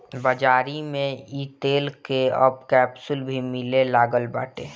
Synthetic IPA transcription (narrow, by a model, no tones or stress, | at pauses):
bəd͡ʒaːɾimẽiːt̪eːlkeəb̚kɛːpsʊlbʱimɪlelaːɡəlba̰ːʈḛ